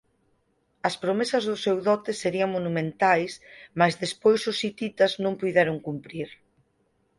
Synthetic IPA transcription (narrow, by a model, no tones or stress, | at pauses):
ɐspɾomesɐzðʊsewðɔt̪ɪseɾiɐŋmonumẽnt̪ajsmazðespojsʊsit̪it̪ɐznõŋpujðɛɾʊŋkumpɾiɾ